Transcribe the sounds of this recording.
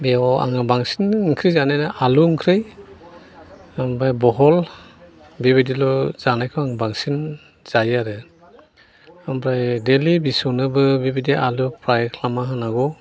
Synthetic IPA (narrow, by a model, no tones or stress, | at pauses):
beɔa̰ŋɯbaŋsinŋkʰɾɯjzanajnaʔaluŋkʰɾɯj | ambɾajbɔɦɔl | bibidilɔz̥anajkʰɔaŋbaŋsin | z̥ajaɾɯ | ambɾajdelibisunɯbɯbibidiʔalupʰɾajek̚ʰlamaɦanaɡɔ